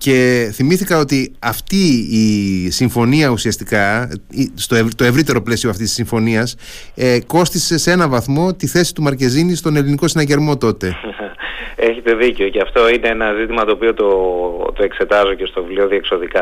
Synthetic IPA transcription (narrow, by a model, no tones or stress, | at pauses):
ce̞θimiθikɐo̞t̪iɐft̪iː | siɱfo̞niɐusiɐst̪ikɐ | st̪o̞et̪o̞e̞vɾit̪e̞ɾo̞ple̞sioɐft̪isi̥siɱfo̞niɐs | ko̞st̪ise̞se̞nɐvɐθmo̞t̪iθe̞si̥t̪umɐɾce̞zinist̪o̞ne̞liniko̞sinɐce̞ɾmo̞t̪o̞t̪e̞ | eçet̪e̞ðiceoceɐft̪o̞ine̞enɐzit̪imɐt̪o̞ːpio̞t̪ot̪oe̞kse̞t̪ɐzoce̞st̪ovivlio̞ðiekso̞ðikɐ